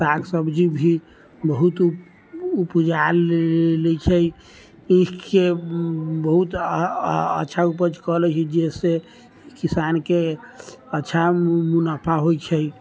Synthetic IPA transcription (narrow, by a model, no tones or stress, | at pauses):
saɡsəbd͡ʒibʱi | bəɦut̪ | upd͡ʒallet͡ʃʰəj | ĩke | bəɦut̪ | ə̰tːʃʰaupəd͡ʒkəɦlɛt͡ʃʰɛd͡ʒese | kisanke | ətːʃʰamunəpʰaɦojt͡ʃʰəj